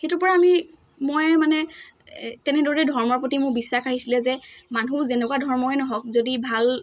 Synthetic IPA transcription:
xetʊpɔɹaːmi | mɔjmanɛ | tɛnɛdɔɹiɛdʱɔɹmɔɹpotimʊɹbisːaxaɦisilɛzɛmanũzɛnɛkwadʱɔɹmɔɛnɔɦɔk̚zodibʱal

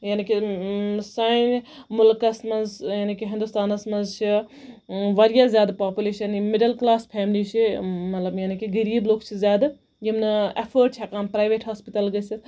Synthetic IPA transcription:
jaːniki | sanmʊlkɐsmɐnzjaːnikiɦɪ̃nd̪ust̪aːnɐsmɐnzt͡ʃʰi | ʋɐɾjazjaːd̪paːpuleːʃɐnimɪɖɐlklaːspʰeːmlit͡ʃʰimɐt̪lɐbjaːnikiɡəɾiːbloːkt͡ʃʰizʲjaːd̪ | jimnɐefʰəːʈ̚t͡ʃʰakaːmpɾaːjʋeːʈɦaːspit̪ɐlɡɐsi

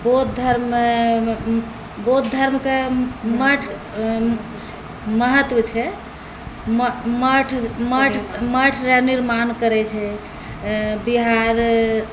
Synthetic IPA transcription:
bot̪̚d̪ʱəɾme | bot̪̚d̪ʱəɾmkeməʈʰ | məɦət̪wət͡ʃʰɛ | mməʈʰməʈʰməʈʰɾaniɾmankəɾɛt͡ʃʰɛ | biɦaɾ

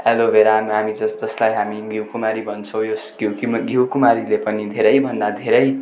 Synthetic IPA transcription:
elobeɾamɦamid͡zʌsd͡zʌslajɦamiɡjiuwkumaɾibʌnt͡sʰʌ̃w̃josɡokimɡʱjiwkumaɾilepʌnid̪ʱeɾʌjbʱʌnd̪ad̪ʱeɾʌj

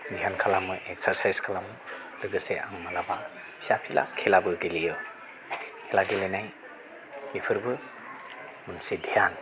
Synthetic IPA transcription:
dʱijankʰalamɯʔek̚saɾsajskʰalamɯ | lɯɡɯseʔa̰ŋmalaba | isapʰila̰kʰelabɯɡilijɯ | kʰelaɡilenaj | mipʰɯɾbɯ | munsidʱijan

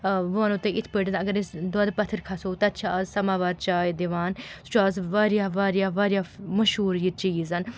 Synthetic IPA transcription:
ʋʊaːnʊt̪ːeːʔɪt̪ʰpeʈnɐɡəɾɪsd̪oaːd̪pɐt̪ʰːəɾkʰasoːt̪et̪ːʃʰaːazsɐmaːʋaːɾt͡ʃaːjd̪eʋaːnsʊ̥t͡ʃʰaːzʋaːɾjaːʋaːɾjaːʋaːɾjaːməʃɦuːɾjit͡ʃiːzɐn

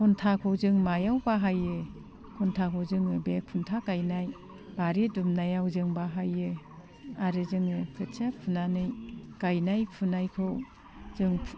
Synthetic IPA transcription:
kʰɔntʰakʰɔwzɯŋmajawbaɦajɯ | kʰɔntʰakʰɔwzɯŋɯbekʰuntʰakajnaj | b̥aɾidumnajawzɯŋbaɦajɯ | aɾɯzɯŋɯkʰɯt͡ʃʰapʰunanɯjkajnajpʰunajkʰɯw | zɯŋʰ

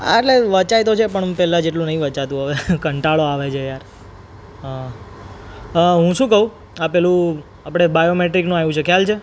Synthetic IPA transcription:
a̰eʈleʋət͡ʃajt̪ot͡ʃʰepəɳpɛlãd͡ʒeʈ̬lũnəɦĩʋət͡ʃat̪ũɦəʋekəɳʈaɭoaʋet͡ʃʰejaɾ | ɦa | ɦũʃũkəɦũ | apɛlũ | apɽ̃ebajomeʈɾiknũajũt͡ʃʰekʰjalt͡ʃʰe

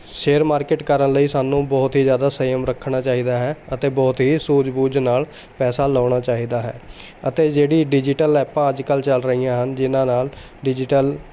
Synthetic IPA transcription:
ʃeːɾmaːɾkɪːʈkəɾənləiːsaːnũːbɔːt̪ɦiːd͡ʒjaːd̪aːsəjəmɾəkʰːɳaːt͡ʃaːɦiːd̪aːɦɛːət̪eːbɔːt̪ɦiːsuːd͡ʒbuːd͡ʒnaːl | pɛːsaːlaːɳ̃aːt͡ʃaːɦiːd̪aːɦɛ̰ː | ət̪eːd͡ʒeːɽiːɖɪd͡ʒɪʈəlɛːpãːəd͡ʒkəlt͡ʃəlɾəɦiːãːɦənd͡ʒɪnãːnaːl | ɖɪd͡ʒɪʈəl

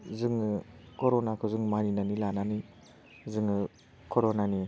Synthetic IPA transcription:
zɯŋɯkɔɾɔnakʰɔzɯŋmaninanilanani | zɯŋɯ | kʰɔɾɔnani

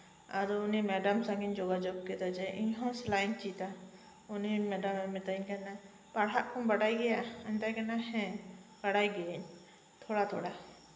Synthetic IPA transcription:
aɾɔːnimɛɖamsaɡiɲd͡ʒɔɡad͡ʒɔɡ̚kɛt̪ad͡ʒɛʔiɲɦɔ̃slajɲt͡ʃit̪a | unimɛɖamɛmɛt̪ajɲkana | paɽɦaʔkʰɔ̃baɽajɡɛjaɛnt̪ajkanahɛ̃b̥aɽajɡɛɛɲ | t̪ʰɔɽat̪ʰɔɽa

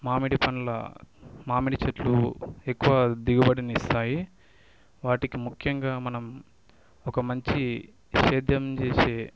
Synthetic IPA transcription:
maːmiɽipɐnlɐ̰maːmiɽit͡ʃɐʈluekːuʋɐːd̪iɡɐbɐɽinist̪aːji | ʋaːʈikimukʰjɐŋɡaːmɐnɐm | ɔkɐmɐɲt͡ʃi | ʃeːd̪jɐmt͡ʃeːseː

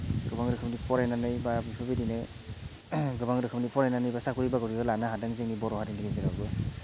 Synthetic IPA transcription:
ɡɯbaŋɾɯkʰɯpnipɔɾajnanɯjbabipʰabidinɯ | ɡɯbaŋɾɯkʰɯmnipɔɾajnanɯjbasakuɾibaɡɔɾibɯlanaɦadaŋzeŋnibɔɾɔɦadindikezeɾaɡɯ

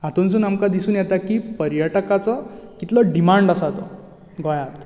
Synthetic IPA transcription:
at̪ons̬uːnamkad̪isuːnjɛt̪akiːpəɾjəʈkat͡sɔkit̪lɔɖimaɳɖasat̪ɔ | ɡʱɔjat̪

